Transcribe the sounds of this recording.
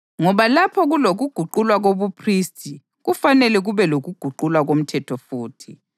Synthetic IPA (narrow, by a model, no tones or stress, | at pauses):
ŋɔβalapʰɔɣuloɣuɡ̥ʱuǃulwaɣoβupʰristʰʼi | ɣufanɛlɛɣuβɛloɣuɡ̥ʱuǃulwaɣom̩tʰɛtʰɔfuːtʰi